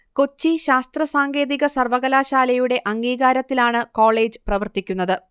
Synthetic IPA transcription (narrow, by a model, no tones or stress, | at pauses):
ko̞t͡ɕːiɕaːst̪rɐsaːŋɡe̞ːðiɣɐsɐrʋɐɣɐlaːɕaːlɐjuɽe̞ʔɐŋɡiːɣaːɾɐt̪ːilaːɳɨko̞ːɭe̞ːd͡ʑɨprɐʋɐrt̪ikʲːunːɐðɨ